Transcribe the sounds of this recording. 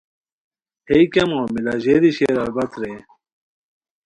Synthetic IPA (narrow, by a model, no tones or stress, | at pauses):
ejkɐmomilaʑeːd̪iɕeɾɐlbɐt̪ɾe